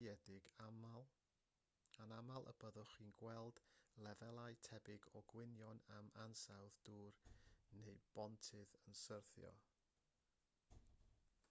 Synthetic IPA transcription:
ɛdɪɡamalˠ | anamalˠʔə̰bəðɔχiːnɡwɛlˠd̥lˠɛvɛlˠaɨtʰɛbɪɡɔɡwɪnjɔnamansawðd̥uːrnejb̥ɔntʰɪðənsərθjɔ̰

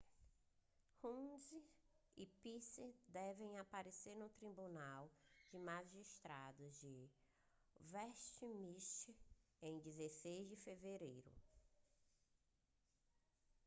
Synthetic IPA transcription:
hũziipisɪd̪ɛvẽj̃apaɾeseɾnʊt̪ɾibunawd͡ʒɪmaʒiʃt̪ɾad̪ʊzd͡ʒɪ | vɛʃt͡ʃimiʃt͡ʃẽj̃d͡ʒizesejzd͡ʒɪfeveɾejɾʊ̰

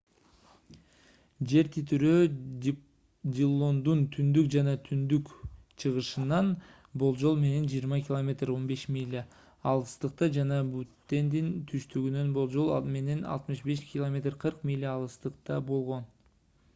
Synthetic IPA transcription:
d͡ʒe̞ɾt̪ʰit̪yɾøː | dʲilˠond̪unt̪ʰynd̪ykd͡ʒɑnɑt̪ʰynd̪ykt͡ʃʰɯʁɯʃɯnɑn | bo̞lˠd͡ʒo̞lˠme̞ne̞nd͡ʒijəɾmɑkʲɪlˠomʲe̞t̪ro̞nbe̞ʃmʲilʲː | lˠɯst̪ɯq̚t̪ɑd͡ʒɑnɑbut̪ːe̞nd̪int̪ʰyʃt̪yɡynø̞nbolˠd͡ʒo̞lˠme̞ne̞nɑ̰lˠt̪mɯʃbe̞ʃkʲɪlˠomʲe̞t̪rqʰɯɾqmʲilʲːaɑlˠɯst̪ɯqt̪ɑbo̞lˠʁo̞n

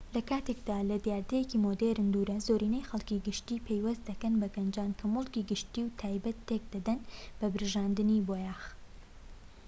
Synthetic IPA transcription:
lɐkaːt̪ekd̪aːlɐd̪jaːɾd̪ɐjekimod̪eɾɨmd̪uɾɐzoːɾiːnɐjxɐlˠkiɡɨʃt̪iːpʰejwɐst̪̚d̪ɐkɐnbɐɡɐnd͡ʒaːnkʰɐmɨlˠkiɡɨʃt̪iːwt̪ʰaːjbɐt̪ʰːek̚d̪ɐd̪ɐnb̥ɐbɨɾɨʒaːnd̪ɨniboːjaːx

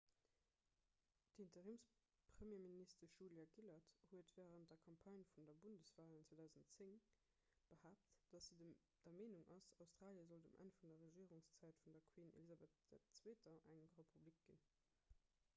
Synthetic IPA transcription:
d̥intəʁiːms | pχəmjeːministɐʒuljɑɡilɐthuətvɛːʁənd̥ɐkʰɑmpʰɑnfundɐbundəsv̥aːlənt͡sweːdaʊzəntt͡sɪŋ | b̥əhaːp̚td̥ɑsi | d̥ɐmeːnuŋʔɑsɑʊstʁ̥aːljəzɔldəmʔæ̰nfundɐʁəʒiːəʁuŋst͡sæɪtfundɐkʰwiːnḛlizɑbetd̥ɛt͡sweːtɐʔæŋʁepʰublik̚ɡ̥in

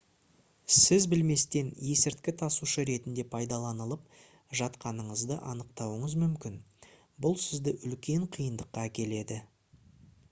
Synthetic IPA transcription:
sɪzbɪlme̞st̪e̞nje̞sɪɾt̪kʲɪt̪ʰɑsuʃəɾe̞t̪ɪnd̪e̞pʰɑjd̪ɑlˠɑnəlˠəp̚ | ʒɑt̪qɑnəɴəzd̪ə̰ʔɑnəq̚t̪ɑwəɴəzmʏmkʲɪn | bʊlˠsɪzd̪ɪʔʏlkʲe̞ɴqʰijənd̪əqːɑækʲe̞le̞d̪ɪ

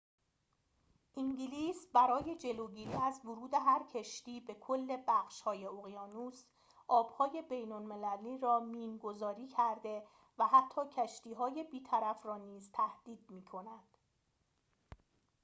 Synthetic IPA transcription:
ʔiŋɟiliːsbæɾɒːje̞d͡ʒe̞loɟiːɾiːæzvoɾuːd̪e̞ɦæɾcʰeʃt̪iːbe̞kʰolːe̞bæxʃhɒːje̞oɣijɒːnus | ʔɒːb̥hɒːje̞be̞jnolme̞læliːɾɒːmiːnɡo̞zɒːɾiːcʰæɾd̪e̞ | væɦæt̪ʰːɒːcʰæʃt̪iːɦɒːje̞biːt̪ʰæɾæfrɒːniːzt̪ʰæhd̪̥iːd̪miːkʰo̞næd̪̥

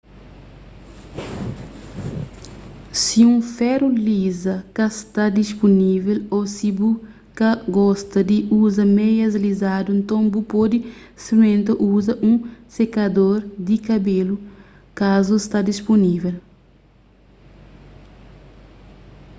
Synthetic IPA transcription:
siũfɛɾulizɐkɐst̪ad̪ispunivelosibu | kɐɡɔst̪ɐd̪iuzɐmejɐzlizad̪uẽnt̪õmbupod̪i | semẽnt̪ɐʔuzɐʔũsekɐd̪oɾd̪ikɐbelu | kazust̪ad̪isponivel

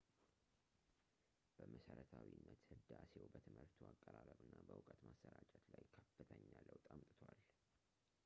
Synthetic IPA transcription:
b̥əməsəɾət̪ʰawinːət̪hɨd̪asewbət̪ʰɨmhɨɾt̪ʰuakʼːəɾaɾəβɨnːabəʔʊkʼət̪masːəɾat͡ʃʼət̪lajkʰəfɨt̪ʰəɲːaləwt̪ʼamt̪ʼɨt̪ʰwal

